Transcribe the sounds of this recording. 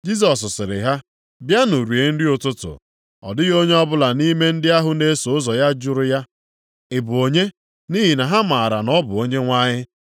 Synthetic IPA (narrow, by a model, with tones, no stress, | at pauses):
d͡ʒi˦s̬ɔ˨s̬sɪ˨ɾɪ̰˨ɦa˦ | bja˦nu˨ɾu˨e˨n̩˦dɪ˦ʊ˨tʊ˦tʊ̰˨ | ɔ̰˨dɪ˦ɣo˦ɲe˦ɔ˦bʊ˦la˨ni˦me˦n̩˦dɪ˦a˦ɦʊ˨ne˦so˨ʊ˦zɔ˨ja˦d͡ʒʊ˦ɾʊ˦ja˦ | ɪ˨bʊ˨o˨ɲe˦ | ni˦ɦi˨na˨ɦa˦ma˨a˨ɾa˨nɔ˦bʊ˨o˦ɲe˦ŋʷa˦ɲɪ˦